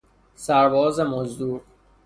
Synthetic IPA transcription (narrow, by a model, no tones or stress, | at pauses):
sæɾbɒːzemozd̪uːɾ